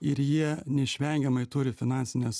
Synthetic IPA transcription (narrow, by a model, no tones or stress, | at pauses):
ɪɾjiɛnʲɛɪʃʲʋʲɛŋʲɡʲɛmɐɪt̪ʊɾʲɪfʲɪnɑnʲsʲɪnʲɛs